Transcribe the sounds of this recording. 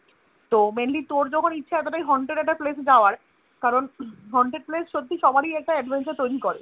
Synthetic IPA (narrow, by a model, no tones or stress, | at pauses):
t̪omenlit̪oɾd͡ʑɔkʰonitːɕʰaɛt̪̬oʈajɦɔɳɖɾeɖɛk̚ʈaplesd͡ʑaoaɾ | kaɾonɦɔɳɖɾeɖ̚plesʃod̪ʱːiʃɔbaɾiɛk̚ʈaɛɖbʱant͡ɕaɾt̪ojɾikɔɾḛ